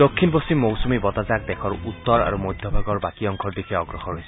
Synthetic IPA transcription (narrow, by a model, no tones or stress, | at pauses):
d̪okʰːinposimːowsumibɔt̪azak̚d̪ekʰɔɹut̪ːɔɾa̰ɾumojd̪ʱjɔbʱaɡɔɹbakiɔŋkʰɔɹd̪ikʰeɔɡɹɔxɔɹɦojsʰ